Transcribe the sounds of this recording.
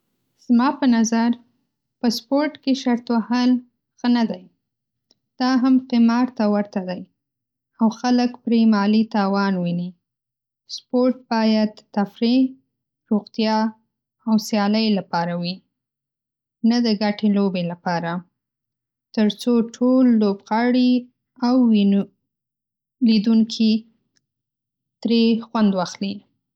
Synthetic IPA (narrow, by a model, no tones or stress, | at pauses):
z̥mɑpənazaɾ | pəspoɾʈkeʃaɾt̪wahəl | xənad̪aj | d̪̥ɑɦamqɪmɑɾt̪awəɾt̪ad̪aj | awxaləkpɾemɑlit̪ɑwɑnwini | spoɾʈ̚bɑjad̪t̪afɾi | ɾoɣt̪jɑ | awsjɑləjlapɑɾawi | nad̪əɡaʈelobelapɑɾa | t̪əɾt͡soʈʰolːobɣɑɽi | awːi | lid̪uŋkʰi | t̪ɾexwand̪wɑxli